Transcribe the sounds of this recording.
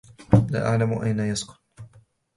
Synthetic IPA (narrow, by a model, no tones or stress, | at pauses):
la̰ːʔaʕlamʊʔajnajaskʊ̥n